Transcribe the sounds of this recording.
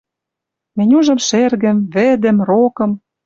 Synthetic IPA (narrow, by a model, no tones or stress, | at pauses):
mĕnʲuʒɤ̆mʃerɣə̆mvĕd̪ɘ̆mrokɤ̆m